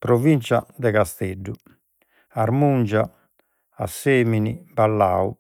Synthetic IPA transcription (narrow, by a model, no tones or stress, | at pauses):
pɾovint͡ʃa̰d̪ɛkast̪eɖːu | aɾmund͡ʒa | asːeːminibalːaːu